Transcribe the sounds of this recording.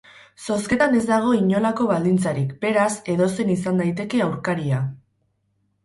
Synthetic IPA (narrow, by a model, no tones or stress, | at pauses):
so̞ske̞t̪ane̞zd̪aɣ̞o̞iɲo̞lako̞β̞ald̪int͡saɾikbe̞ɾase̞ðo̞se̞nisand̪ajt̪e̞ke̞awɾkaɾia